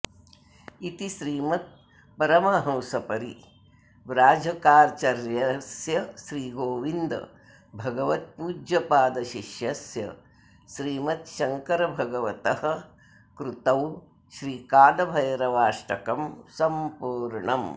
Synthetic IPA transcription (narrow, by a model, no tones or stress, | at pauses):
it̪iʃɾiːmɐt̪̚ | pɐɾɐmɐɦɐ̃wsɐpɐɾḭ | ʋɾaːd͡ʒʱɐkaːɾt͡ʃɐɾjɐsjɐʃɾiːɡoːʋind̪̰ | bʱɐɡɐʋɐt̪̚puːd͡ʒjɐpaːd̪ɐʃiʃjɐsjɐ̰ | ʃɾiːmɐt̪ʃɐŋkɐɾɐbʱɐɡɐʋɐt̪ɐhɐ̆ | kɾut̪ɐw | ʃɾiːkaːd̪ɐbʱɐjɐɾɐʋaːʂʈɐkɐmsɐmpuːɾɳɐm